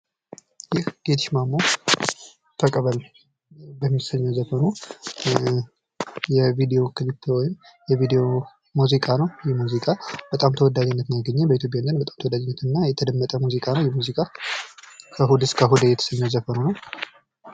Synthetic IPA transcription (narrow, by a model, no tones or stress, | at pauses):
jɪhɡ̥et̪ʰɨʃmamo | t̪ʰəkʼəβəl | bəmːisəɲːəwzəfənu | jɛvid̪ejo̞kʰɨlit̪ʰːwɔjɪm | jɛvid̪ejo̞ | muzikʼanəwjɛmuzikʼab̥ət̪ʼamt̪ʰəwɔd̪ːad͡ʒɛnːət̪njaɡəɲːɛbəit̪jopʼjand̪ənbət̪ʼamt̪ʰəwɔd̪ad͡ʒnːət̪ɨnːajɛt̪ʰəd̪əmːət̪ʼəmuzikʼanəwjɛmuzikʼa | kʰəɦud̪ɨskʰəɦud̪jɛt̪ʰə̥səɲːəwzəfənunəw